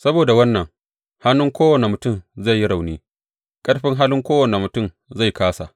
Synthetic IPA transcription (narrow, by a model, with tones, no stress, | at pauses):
sɐ˦boː˨da˨wɐ˦nːɐ˨ŋ | ha˦nːʊ˦ŋkʷoː˦wɐ˨ne˨mʊ˨tʊ˦˨mza˦˨jːi˦ɽa˨wniː˦ | kʼɐ˦ɽɸɪ˦ŋɦa˦lɪ˦ŋkʷoː˦wɐ˨ne˨mʊ˨tʊ˦˨m | za˦˨jkaː˦sa̰˨ʔ